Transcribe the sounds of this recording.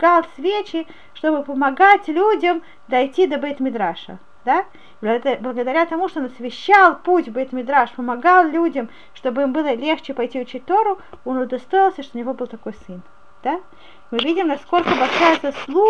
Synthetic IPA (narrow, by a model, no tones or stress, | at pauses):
ɡalˠsʲvʲet͡ɕɪ | ʂt̪o̞bɨpəmɐɡatʲlʲudʲəm | d̪ɐjtʲid̪əbəit̪mʲɪd̪ɾaʂə̰ | d̪a | b̪blˠəɡəd̪ɐɾʲat̪ɐmuʂt̪oonɐsvʲɪɕːalˠputʲbəit̪mʲɪd̪ɾaʂpəmɐɡalˠlʲudʲəm | ʂt̪o̞bɨimbɨlˠəlʲext͡ɕɪpɐjtʲiʊt͡ɕit̚ʲt̪o̞ɾʊ | onʊd̪ɐst̪o̞ɪlˠsʲəʂt̪oʊnʲɪvo̞bɨlˠt̪ɐko̞jsɨn | d̪̥a | mɨvʲidʲɪmnɐsko̞lʲkəbɐlʲʂajəzɐslˠu